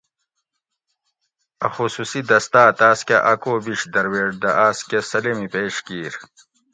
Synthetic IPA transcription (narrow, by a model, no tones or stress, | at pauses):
ɐxususid̪ɐst̪aːt̪aːskeʔɐkoːbiɕd̪ɐɾweːɖd̪ɐʔaːskesɐlemipeːʂkiːɾ